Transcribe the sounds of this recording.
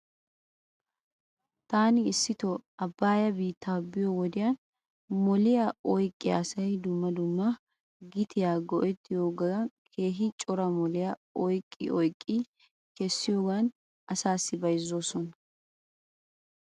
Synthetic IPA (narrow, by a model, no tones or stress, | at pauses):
t̪aːnɪːsːɪt̪ɔɐbːaːjɐbiːt̪ːaːbɪjɔwɔd̪ɪjɐn | mɔlɪjaɔjkʼːɪja̰ːsɐjd̪ʊmːɐd̪ʊmːɐ | ɡɪt̪ʰɪjaːɡɔʔɛt̪ʰːɪjoːɡɐkʰe̞ːɦɪt͡ʃʼɔɾɐmɔlɪjɐɔjkʼːɪ̰ʔɔjkʼːɪ | kɛsːɪjoːɡɐn | ɐsaːsːɪbɐjzːo̞ːsɔnɐ